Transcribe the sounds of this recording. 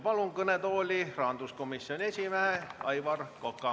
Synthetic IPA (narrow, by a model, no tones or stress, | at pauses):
pɑluŋkɤnet̪o̞ːlʲirɑːnd̪usko̞misːionʲiesʲimeheɑjvɑrkokːɑ